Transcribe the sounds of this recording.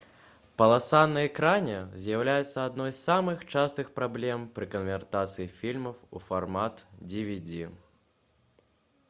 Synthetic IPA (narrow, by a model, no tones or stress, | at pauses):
pɐlˠasanːɐɛkɾanʲɛzʲjawlʲajɛt̪sːɐad̪nɔjssamɨxt͡ʂast̪ɨxpɾablʲɛmpɾɨkɐnvʲɛrt̪at̪sɨjifʲilʲmɐwṵfarmat̪d͡zʲivʲid͡zʲi